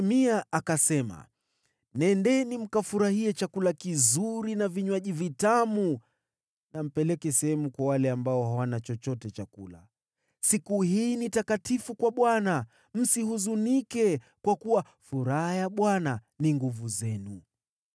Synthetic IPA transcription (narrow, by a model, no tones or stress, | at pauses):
miaakasɛma̰ | nɛndɛnim̩kafuɾahiɛt͡ʃakulakizuɾinaviɲwaʄivitamu | nam̩pɛlɛkɛsɛhɛmukwawalɛambaɔhawanat͡ʃɔt͡ʃɔtɛt͡ʃakula̰ | sikuhiːnitakatifukwaɓwana | m̩sihuzunikɛ | kwakuwa | fuɾahajaɓwana | niŋɡuvuzɛnu